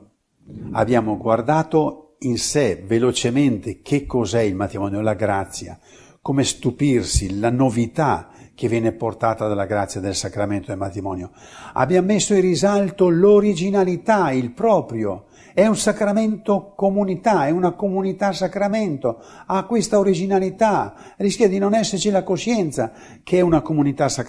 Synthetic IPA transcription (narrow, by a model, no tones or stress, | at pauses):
a̰bːjaːmoɡward̪aːt̪o | insɛvelot͡ʃement̪ek̟ʰekːɔzɛilmat̪ɾimɔːnjolaɡɾat̪sːja̰ | komest̪upirsilanovit̪ak̟evjɛːneport̪aːt̪ad̪alːaɡɾat̪sːjad̪elsakɾament̪oelmat̪ɾimɔːnjo | a̰bjamesːoirizalt̪oloɾid͡ʒinalit̪ailpɾɔːpɾjo̰ | ɛunsakɾamɛnt̪okomunit̪aɛunakomunit̪asakɾamɛnt̪o | akːwest̪aoɾid͡ʒinalit̪a | riskjad̪inonɛsːeɾt͡ʃilakoʃɛnt̪sa | kʰeɛunakomunit̪asa